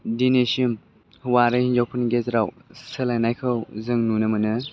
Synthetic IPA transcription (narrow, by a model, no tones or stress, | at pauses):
dinesiim | hwaɾɯhind͡ʒawpʰɯnɡezɾawsɯlajnajkʰɯwzɯŋnunɯmɯnɯ